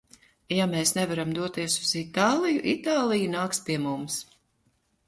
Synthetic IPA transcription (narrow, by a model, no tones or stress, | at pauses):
jameːsnɛvaɾamd̪uɔt̪iɛsuz̥it̪aːlˠijuʔit̪aːlˠijunaːkspiɛmums